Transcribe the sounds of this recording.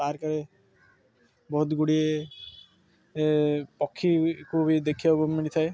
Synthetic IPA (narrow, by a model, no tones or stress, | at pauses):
aɾkaɾe | bɔɦut̪ɡuɽie | pɔkʰːikʰubid̪ekʰibɔmːiɽit̪ʰae